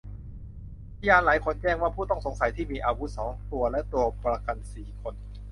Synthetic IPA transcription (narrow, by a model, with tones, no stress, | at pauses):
a˥jaː˧nlaː˩˦jkʰo˧˥nt͡ɕɛː˥˩ŋwaː˥˩pʰuː˥˩t̪ɔ˥˩ŋso˩˦ŋsa˨˩˦jt̪ʰiː˥˩miː˧ʔaː˧wu˦˥t̪̚sɔː˩˦ŋt̪u˧ɐlɛ˦˥ʔt̪u˧ɐpɾa˧ka˧nsiː˨˩kʰo˧n